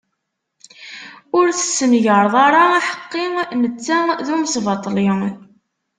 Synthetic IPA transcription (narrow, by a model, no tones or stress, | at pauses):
ʊɾθə̥sːəmʝəɾˤðˤɑɾˤɑaħə̥qːɪmət͡sːæðumsvɑt̪ˤːliŋ